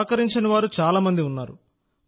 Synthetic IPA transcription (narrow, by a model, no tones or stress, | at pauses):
kɐɾiɲt͡ʃɐniʋaːɾut͡ʃaːlaːmɐnd̪iunːaːɾu